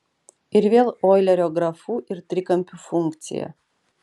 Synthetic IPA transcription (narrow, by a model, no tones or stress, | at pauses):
irʲvʲelˠojlʲɐɾʲoɡɾafuʔirt̪ɾʲikɐmʲpʲufuŋkt̪sʲḭjə̰